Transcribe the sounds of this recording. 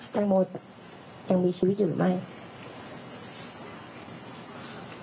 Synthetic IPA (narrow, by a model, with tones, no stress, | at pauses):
t͡ɕa˧ŋmoː˧a˨˩ | t͡ɕa˧ŋmiː˧t͡ɕʰiː˧wi˦˥t̪̚juː˨˩ɯ̰˨˩ma˥˩j